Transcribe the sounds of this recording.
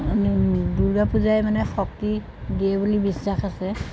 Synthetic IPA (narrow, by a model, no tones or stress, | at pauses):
duɹɡapuzajmanɛxɔk̚ti | diɛbulibisːaxasɛ